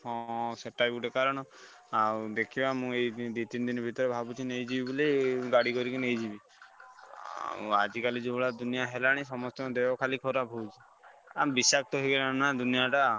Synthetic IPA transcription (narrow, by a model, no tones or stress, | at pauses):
ɔseʈːabuʈekaɾɔɽ̃ɔ | ad̪ekʰibamũejd̪it̪ind̪inɔbʱit̪ɔɾebʱabut͡ʃʰinejd͡ʒibibuliɡaɽikɔɾikinejd͡ʒibi | ad͡ʒikalid͡ʒebɔɭad̪unijaɦelaɽ̃ĩsɔmɔst̪ɔd̪ewɔkʰalikʰɔɾabʱowt͡ʃʰi | abisakʰt̪ɔɦiɡelanad̪unijaʈa